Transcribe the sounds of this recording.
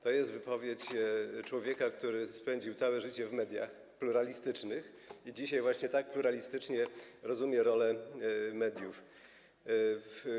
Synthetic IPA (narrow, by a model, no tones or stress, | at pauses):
t̪ɔjɛst̪vɘpɔvʲjet͡ɕt͡ʂwɔvʲjɛkakt̪uɾɘspɛɲd͡ʑiwt̪sawɛʐɘt͡ɕɛvmɛd̪ʲja̰x | pluɾalʲist̪ɘt͡ʂnɘx | id͡ʑiɕajvwaɕɲɛt̪ak̚pluɾalʲist̪ɘt͡ʂɲɛɾɔzumʲjɛɾɔlɛmɛd̪ʲjuf